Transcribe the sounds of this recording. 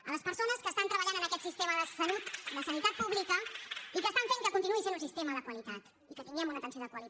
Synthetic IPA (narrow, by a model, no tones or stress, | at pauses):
ə̰ləspəɾsonəskəːst̪ant̪ɾəβəʎanənəkɛt̪sist̪eməðəsəlut̪d̪əsənit̪at̪̚puβlikəikəːst̪aɱfeŋkəkunt̪inuisenunsist̪eməðəkwəlit̪at̪ | ikət̪iŋɡɛmunət̪ənsioðəkwəli